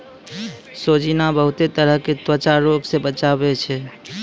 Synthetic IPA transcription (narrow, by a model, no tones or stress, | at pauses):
sod͡ʒinabəɦut̪et̪əɾəɦket̪wət͡ʃaɾoɡsebət͡ʃabɛt͡ʃʰɛ